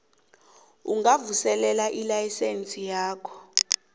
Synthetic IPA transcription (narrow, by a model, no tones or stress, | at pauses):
uŋɡavusɛlɛlaʔilajisent͡sʼijaːkʰɔ̥